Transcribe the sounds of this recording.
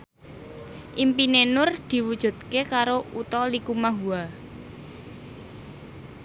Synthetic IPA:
ʔimpinenʊrd̪̥i̤wud̥ʒ̥ṳt̪̚kekaɾout̪ɔlikumaɦua

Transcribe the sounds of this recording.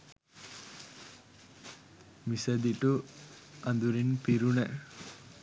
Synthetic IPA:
misɐd̪iʈu | ɐnd̪uɾinpiɾuɳɛ

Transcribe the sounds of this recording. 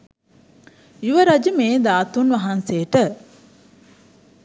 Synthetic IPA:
juʋəɾɐd͡ʒəmeːd̪aːt̪unʋɐɦanseːʈə

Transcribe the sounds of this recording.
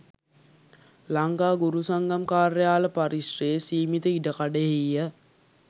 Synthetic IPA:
laŋɡaːɡuɾusaŋɡamkaːɾəjaːləpaɾisreːsiːmit̪əiɖəkaɖəɦijə

